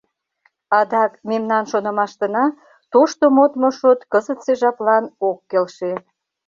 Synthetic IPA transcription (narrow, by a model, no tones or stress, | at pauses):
ɑd̪ɑkmemnɑnʃonə̆mɑʃt̪ə̆nɑ | t̪oʃt̪omot̪moʃot̪kəzət̪seʒɑplɑnokːelʃe